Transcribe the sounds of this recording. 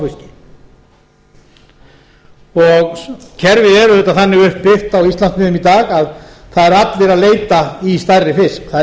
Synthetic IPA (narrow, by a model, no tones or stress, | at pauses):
uscɪ̥ | ɔɣcʰɛɾvɪðɛɾʏðɛt̪ːaθanːɪɣʏhppɪft̪awist̪lant̪mɪðʏmit̪aːɣaðθaðɛɾat̪lɪɾaðleːjt̪aist̪ajrɪfɪskθa